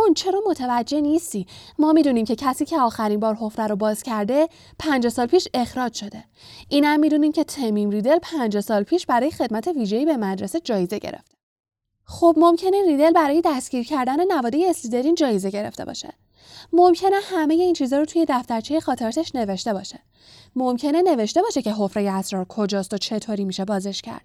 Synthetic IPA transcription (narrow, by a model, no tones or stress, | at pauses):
unt͡ʃʰe̞ɾɒːmo̞t̪ʰevæd͡ʒːe̞niːst̪iːmɒːmiːd̪uniːmcʰe̞cʰæsiːcʰe̞ɒːxæɾinbɒːɾɦo̞fɾæɾobɒːz̥cʰæɾd̪e̞ | pʰænd͡ʒsɒːlpʰiːʃe̞xɾɒːd͡ʒʃo̞d̪e̞ | ʔiːnæmːid̪uːniːmcʰe̞t̪ʰemimriːd̪e̞lpʰænd͡ʒsɒːlpʰiːʃbæɾɒːjexe̞d̪̚mæt̪ʰe̞viːʒeiːbe̞mæd̪ɾesed͡ʒɒːjeze̞ɟḛɾḛft̪e | xoːbmo̞mcʰe̞neɾiːd̪elbæɾɒːje̞d̪æsciːɾcʰæɾd̪æne̞nævɒːd̪ejeːslid̪eɾiːnd͡ʒɒːjeze̞ɟe̞ɾe̞̰ft̪ḛbɒ̰ːʃḛ | momcʰe̞ne̞hæme̞je̞iːnt͡ʃʰiːzɒːɾot̪ʰuje̞d̪æft̪æɾt͡ʃʰejexɒːt̪ʰeɾɒːt̪ʰeʃne̞ve̞ʃt̪ebɒːʃe̥ | momcʰe̞ne̞ne̞ve̞ʃt̪e̞bɒːʃe̞cʰeɦo̞fɾejeæsɾɒːɾkʰo̞d͡ʒɒːst̪o̞t͡ʃʰe̞t̪ʰoɾimiːʃebɒːzeʃcʰæ̰ɾd̪̥